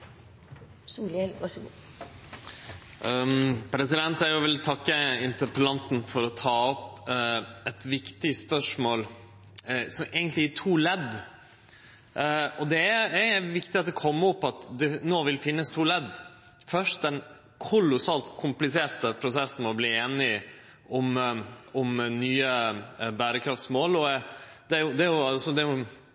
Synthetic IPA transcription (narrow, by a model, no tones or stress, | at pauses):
suːlɛlʋɑʂɔɡuː | pʰɾɛsɪd̪ɛnt̪æɾjʊʋɪlt̪ʰɑkːəɪnt̪əɾpəlɑnt̪n̩fɔɾɔt̪ʰɑːɔp | ɛt̪ʋɪkt̪ɪspœʂmoːl | sɔmʔeːɡənt̪lɪɪt̪ʰuːlɛd̪ | ɔd̪ɛææʋɪkt̪ɪɑt̪̚d̪ɛkʰɔmːʊpːɑt̪d̪ɛnoːʋɪlfɪnːəst̪ʰuːlɛd̪ | fœʂʈd̪ɛn | kʰʊlʊsɑːlt̪kʰʊmplɪseːɾt̪əpʰɾʊsɛsn̩mɔbliːeːnɪ | ʔʊmʊmnyːəbæːɾəkʰɾɑft̪smoːlɔ | d̪̥ɛæɾjʊd̪ɛæɾjʊɑsɔd̪ɛjʊ